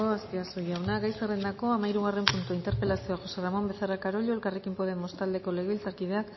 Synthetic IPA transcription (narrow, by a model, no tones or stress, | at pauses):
oastiasujawnaɣajserend̪ako̞amaiɾuɣare̞mpunt̪uaint̪e̞ɾpe̞lasioaʝo̞se̞ramo̞mbe̞θarakaɾo̞ʎoe̞lkare̞kimpoðemːo̞st̪ald̪e̞ko̞le̞ɣeβilt͡saɾkið̞e̞akk